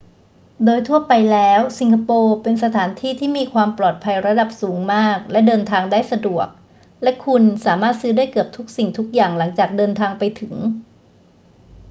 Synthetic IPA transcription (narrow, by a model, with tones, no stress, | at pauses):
doː˧jt̪ʰu˥˩ɐpa˧jlɛː˦˥wsi˨˧ŋkʰa˧poː˧pe˧nsa˧t̪ʰaː˩˦nt̪ʰiː˥˩t̪ʰiː˥˩miː˧kʰwaː˧mplɔː˨˩t̪̚pʰa˧jɾa˧da˨˩p̚suː˩˦ŋmaː˥˩k̚lɛ˦˥dɤː˧nt̪ʰaː˧ŋdaː˥˩jsa˧du˨˩ək̚ | lɛ˦˥kʰu˧nsaː˩˦maː˥˩t̪̚sɯː˦˥daː˥˩jkɯ˨˩əp̚t̪ʰu˦˥k̚si˨˩ŋt̪ʰu˦˥k̚jaː˨˩ŋla˩˦ŋt͡ɕaː˨˩k̚dɤː˧nt̪ʰaː˧ŋpa˧jt̪ʰɯ˨˩˦ŋ